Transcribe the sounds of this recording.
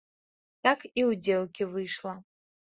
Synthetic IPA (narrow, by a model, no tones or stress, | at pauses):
takʰiwdelkʲʰivɨjʂla